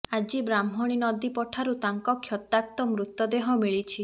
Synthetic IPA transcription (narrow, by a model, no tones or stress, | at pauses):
ad͡ʒibɾam̤ɔɽ̃inɔd̪ipɔʈʰaɾut̪aŋkɔkʰjɔt̪ak̚t̪ɔmɾut̪jɔd̪eɦɔmiɭit͡ʃʰi